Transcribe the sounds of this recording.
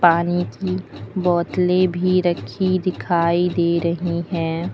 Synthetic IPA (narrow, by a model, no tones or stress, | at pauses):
paːnikibɔːt̪lebʱiɾɐkʰid̪ɪkʰaːid̪eːɾɐɦiɦɛ̃ː